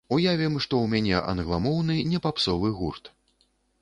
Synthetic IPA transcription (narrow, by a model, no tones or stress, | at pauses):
ujavʲimʂt̪ɔwmʲanʲɛʔɐ̰nɣlˠamɔwnɨnʲɛpapsɔvɨɣurt̪